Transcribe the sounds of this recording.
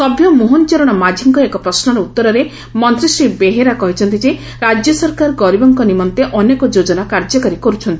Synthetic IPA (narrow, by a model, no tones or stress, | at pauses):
sɔbʱjɔmoɦont͡ʃɔɾɔɽ̃ɔmad͡ʒʱiŋkɔekɔpɾɔsnɔɾɔut̪ːɔɾɔɾe | mɔnt̪ɾisɾibeɦeɾakɔɦit͡ʃʰɔnt̪id͡ʒe | ɾad͡ʒjɔsɔɾkaɾɡɔɾibɔŋkɔnimɔnt̪eʔɔnekɔd͡ʒod͡ʒɔnakaɾd͡ʒɔkaɾikɔɾut͡ʃʰɔnt̪ii̥